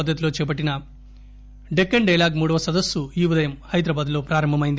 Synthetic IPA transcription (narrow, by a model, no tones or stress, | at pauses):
ɐd̪ːɐt̪iloːt͡ʃɛːp̬ɐʈːinɐ | ɖekːɐɳɖɐjlaːɡmuːɽɐʋɐsɐd̪ɐsːuiːʋud̪ɐjɐmhɐjd̪ɾɐbaːd̪lo̞ːpɾaːɾɐmbʱɐmɐjind̪i